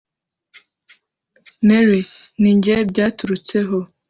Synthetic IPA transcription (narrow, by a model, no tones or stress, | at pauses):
meɾi | niɲɟebjaːtuɾut͡seɦo